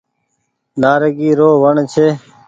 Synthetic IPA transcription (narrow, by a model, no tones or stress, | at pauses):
naːɾəɡiːɾoːʋəɳt͡ʃʰeː